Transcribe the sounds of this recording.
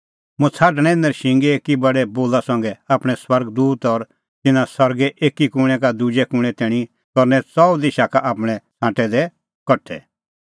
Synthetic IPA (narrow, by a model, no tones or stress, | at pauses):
mũt͡sʰaːʈɽ̃ɛ̃ɪ̃nd̪əɾʃɪ̃ŋɡeekibɐɽɛboːlasɐ̃ŋɡɛaːpɽ̃ɛswɐɾɡd̪uːt̪ɔɾ | t̪ɪnãsɐɾɡɛʔeːkikʊɽ̃ɛkad̪ʊd͡ʒɛkʊɽ̃ɛ̃t̪ɛːɽ̃i | kɔɾnɛt͡sɔd̪ɪʃakaʔaːpɽ̃ɛt͡sʰãːʈɛd̪ɛ | kɔʈʰɛ̰